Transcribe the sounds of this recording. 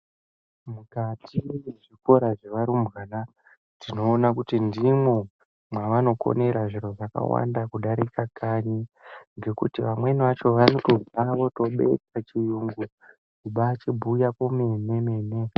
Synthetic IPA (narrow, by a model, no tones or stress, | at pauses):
mukatʰiweʐiko̞ɾaʐeʋaɾumɣaːna | tdino̞ːnakutindimwo | mwaʋano̞ko̞̰ne̞ɾaʐiɾo̞ʐaka̰wa̰ndakuɗaɾikakʰaɲiŋɡe̞kutiʋamwe̞niʋat͡ʃo̞ʋano̞to̞d͡zaʋo̞to̞ɓe̞̰t͡sat͡ʃijuŋɡu | kuɓaːt͡ʃibʱujakomene̞me̞ːne